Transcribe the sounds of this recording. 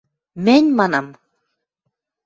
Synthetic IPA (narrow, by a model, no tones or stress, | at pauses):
mɘnʲmɑnɑm